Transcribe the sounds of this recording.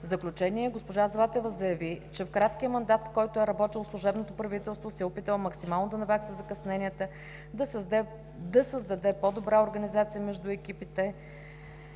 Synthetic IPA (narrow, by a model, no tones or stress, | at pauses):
vzəklʲut͡ʃɛniɛɡospoʒazlˠat̪ɛvəzɐjɐvit͡ʃɛfkɾat̪kiəmɐnd̪at̪skɔjt̪ʊɛɾɐbɔt̪ilˠfslˠʊʒɛbnot̪opɾɐvit̪ɛlˠst̪vosɛopit̪əlˠmɐksimalˠnod̪ɐnɐvɛksɛzɐkɐsnɛnʲijət̪ə | d̪əsɛ | d̪ɐsəzd̪ɐd̪ɛpod̪obɾaoɾɡənizat̪sijəmɛʒd̪ʊɛkipit̪ɛ